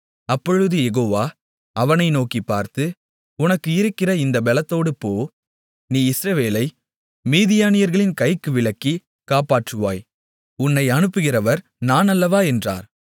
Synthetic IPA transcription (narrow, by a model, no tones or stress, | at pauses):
ɐpːɔɻɯðɯjɛɣoːʋaː | ɐʋɐnɐɪnoːkipːa̰ːɾt̪ɯ | ʊnɐkːɯɪɾɯkːɪrɐɪnd̪ɐbɛlɐt̪ːoːɽɯpːoː | niːɪsɾɐʋeːlɐɪ | miːðɪjaːnɪjɐɾɣɐɭɪnkɐɪkːɯʋɪɭɐkːi | kaːpaːʈrɯʋa̰ːj | ʊnːɐɪɐnɯpːɯɣɪɾɐʋɐɾ | naːnɐlːɐʋaːɛndra̰ːɾ